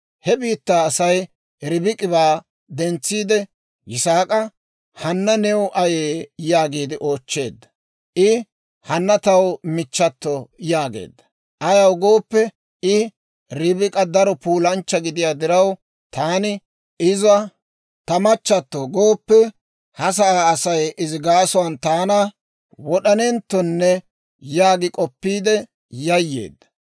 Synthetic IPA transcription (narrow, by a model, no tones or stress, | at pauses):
hɛbiːt̪ːaːsɐj | ɾɪbɪkʼɪβaː | d̪ɛnt͡sːiːd̪ɛ | jɪsaːkʼɐ | hɐnːɐnɛwʊʔɐjeːjaːɡiːd̪ɪʔo̞ːt͡ʃːe̞̰ːd̪ːɐ̥ | ʔɪ | hɐnːɐt̪ɐwmɪt͡ʃːɐt̪ːɔjaːɡḛːd̪ːɐ̥ | ʔɐjɐwɡoːpːɛ | ɪ | ɾɪbɪkʼɐd̪ɐɾɔpuːlɐnt͡ʃːɐɡɪd̪ɪjaːd̪ɪɾɐw | t̪aːnɪ | ɪzɐ | t̪ɐmɐt͡ʃːɐt̪ːɔɡoːpːɛ | hɐs̬ɐaːsɐjɪzɪɡaːsɔwɐnt̪aːnɐ | wɔɗɐnɛnt̪ːɔnːɛ | jaːɡɪkʼɔpːiːd̪ɛ | jɐjːe̞̰ːd̪ːɐ̥